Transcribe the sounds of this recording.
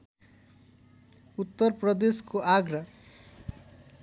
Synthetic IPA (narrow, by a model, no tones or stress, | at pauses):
ut̪ːʌrprʌd̪eskoʔaɡɾʌ